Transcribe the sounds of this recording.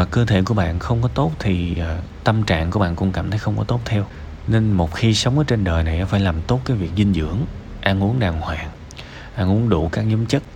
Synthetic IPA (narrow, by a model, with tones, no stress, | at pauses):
vaː˨˩kəː˧t̪ʰḛ˧˨ku˧˩əɓa̰ː˧˨nxə˧wŋ͡mkɔ˨˦t̪o˦˥t̚t̪ʰi˨˩˨t̪ə˧mt͡ɕa̰ː˧˨ŋku˧˩ɓa̰ː˧˨nkʊ̰˧˥ŋ͡mka̰ː˧˩mt̪ʰə˨˦jxə˧wŋ͡mkɔ˨˦t̪o˦˥t̚t̪ʰɛ˧w | ne˧nmo˨˩t̚xi˧sə˨˦wŋ͡mʔəː˨˦t͡ɕe˧nɗəː˨˩jna˨˩jnɔ˨˦faː˧˩˦jlaː˨˩mt̪o˦˥t̚kaː˨˦jvi˨˩ək̚zï˧ŋzɨ̰˧˥əŋ | ʔaː˧nʔu˨˦˥əŋɗaː˨˩ŋhwaː˨˩n | ʔaː˧nʔu˧˦əŋɗṵ˧˩kaː˦˥k̚ɲɨ˨˦əmt͡ɕə˦˥t̚